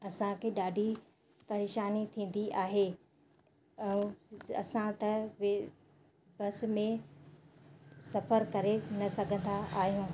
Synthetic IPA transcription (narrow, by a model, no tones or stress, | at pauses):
ɐsãkʰeːɗaːɖʱi | pɐɾeːʃaːnit̪ʰĩːn̆d̪iʔaːɦe | ɛ̃ɐ̰sãt̪ɐʋ | bɐs̆mẽ | sɐfəɾkɐɾenɐsɐɡʱə̃nd̪aʔaːɦijũː